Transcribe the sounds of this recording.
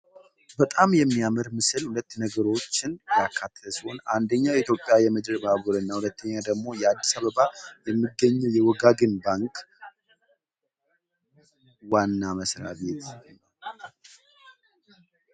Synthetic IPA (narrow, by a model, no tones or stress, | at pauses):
bət̪ʼamjɛmːijamɨɾmɨsɨlhulət̪ːnəɡəɾo̞t͡ʃːɪnjakʰːat̪ʰːəsonand̪əɲːajɛit̪jo̞pʼːjajɛməd͡ʒɾbaβuɾɨnːahulət̪ʰːəɲːad̪əɡmo̞jɛad̪ːisaβəβajɛmːɨɡəɲːɛwjɛwɔɡaɡɨnbaŋkʼ | wanːaməsɾa̰βe̞t̪